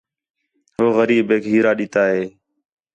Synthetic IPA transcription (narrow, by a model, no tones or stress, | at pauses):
ɦoːɣəɾiːɓeːkɦiːɾaːɗɪt̪aːɦeː